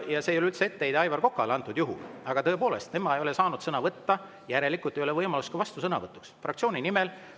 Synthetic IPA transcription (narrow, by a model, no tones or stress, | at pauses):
jɑsejolylt̪seet̪ːejd̪ɑjvɑrko̞kːˑɑleɑnt̪ːˑud̪̥juɦṵlɑɡ̥ɑt̪ɤ̞epo̞ːle̞̰st̪ne̞mɑejo̞lesɑːnud̪̥sɤnɑvɤt̪ːɑ | jæɾe̞likˑult̪e̞jo̞le̞vɤjmɑlust̪kɑvɑst̪usɤnɑ̰vɤt̪ːˑu̥ksfrʔɑkt̪sio̞ːnʲinimel